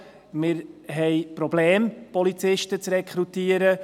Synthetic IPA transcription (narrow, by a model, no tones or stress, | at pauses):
mɪɾɦɛɪpɾoblɛːmpɔlit͡sɪʃtət͡srɛkʰχɾutiːəɾə